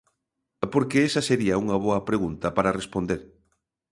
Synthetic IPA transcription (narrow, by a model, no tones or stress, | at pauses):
poɾkeesɐseɾiɐuŋɐβ̞oɐpɾeɣ̞unt̪ɐpaɾɐrespond̪eɾ